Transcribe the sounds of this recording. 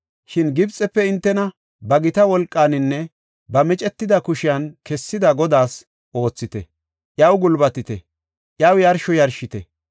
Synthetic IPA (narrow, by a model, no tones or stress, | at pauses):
ʃɪnɡɪbt͡sʼːɛpːɛɪnt̪ːɛnɐ | bɐɡɪt̪ɐwɔlkʼːaːnɪnːɛ | bɐmɪt͡ʃʼɛt̪ːɪd̪ɐkʊʃɪjɐnkɛsːɪd̪ɐɡɔd̪aːs | ʔo̞ːt͡sːɪt̪ɛ | ʔjɐwɡʊlbɐt̪ɪt̪ɛ̰ | ʔjɐwjɐɾʃɔjɐɾʃɪt̪ɛ̰